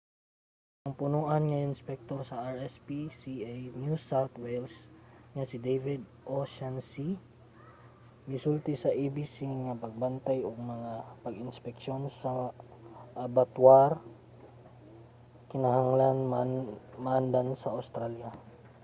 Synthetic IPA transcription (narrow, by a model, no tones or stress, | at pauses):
ʔɐŋpʊnuːʔanŋɐʔɪnspɛk̚t̪oɾsɐʔaɹɛspisiʔajnjusawt̪wɛlsŋɐsɪd̪ejvɪd̪̚ | ʔosansi | mɪsult̪ɪsɐʔibisiŋɐpɐɡ̚bɐnt̪ajoɡmɐŋapɐɡɪnspɛk̚ʃonsɐ | ʔabat̪waɾ | kɪnɐɦaŋlan | maʔand̪ansɐawst̪ɾalja